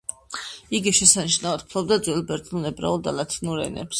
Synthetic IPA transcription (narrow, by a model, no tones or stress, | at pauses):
iɡiʃɛsaniʃnaɔd̪̚pʰlˠɔbd̪ad̪zwɛlˠbɛɾt̪ʼnunɛbɾa̰ulˠd̪a̰lat̪ʰinuɾɛ̰nɛ̰ps